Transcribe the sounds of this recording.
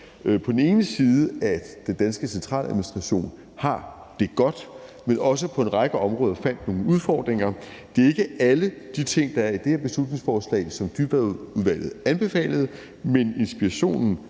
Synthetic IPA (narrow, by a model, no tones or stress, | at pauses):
pʰɒ̽d̥n̩e̝ːnəsiːð̞ˠəæd̥end̥ænsɡ̥əsent͡sʰʁɑ̰̈ːlʔæðˠminisd̥ʁɑ̈ɕo̝̰ːn | hɑ̈ | d̥e̝ɡ̥ɒ̽d̥menʔɒ̽s̬əpʰɒ̽e̝nʁɑ̈ɡ̥əɒ̽mʁɔ̽ːðˠɐfæn̰d̥no̝ːŋəuð̞ˠfɒ̰ːd̥ʁeŋɐ | d̥e̝ɐe̝ɡ̥əæləd̥it͡sʰe̝ŋ̰d̥ɑ̈æɐid̥eheɐb̥e̝slud̥ne̝ŋsfɒːslɛ̰ɪsɒ̽md̥yb̥æuðˠʋæl̰ð̩ˠænb̥e̝fɛ̰ːləð̩ˠ | mene̝nsb̥iæɕo̝̰ːnn̩